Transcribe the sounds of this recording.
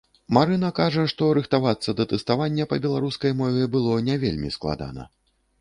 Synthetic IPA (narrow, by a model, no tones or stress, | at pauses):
maɾɨn̪ɐkaʐɐʂt̪ɔɾɨxt̪avat̪sːɐd̪ɐt̪ɛst̪avanʲːɛpɐbʲɛlˠaɾuskɐjmɔvʲɛbɨlˠɔnʲɛvʲḛlʲmʲḭsklˠa̰d̪a̰nɐ̰